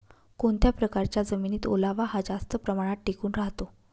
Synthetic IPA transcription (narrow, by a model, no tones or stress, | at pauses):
koɳt̪japɾəkaɾt͡ɕjad͡zəminiːt̪o̰laʋaɦad͡zast̪əpɾəmaɽ̃at̪̚ʈekuːnɾaɦt̪o